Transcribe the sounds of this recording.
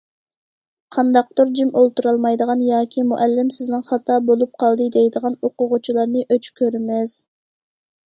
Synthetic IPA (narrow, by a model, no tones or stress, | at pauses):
qʰɑnd̪ɑq̚t̪uɾd͡ʒimʔolˠt̪uɾɑlˠmɑjd̪əʁɑnjɑːkʲʰimuʔælːɪmsɪznɪŋχɑt̪ʰɑːbolˠup̚qʰɑlˠd̪ɨd̪ejd̪əʁɑnoqʊʁʊt͡ʃʰilˠɑɾnɨʔøt͡ʃʰkʲʰøɾɪmɪz̥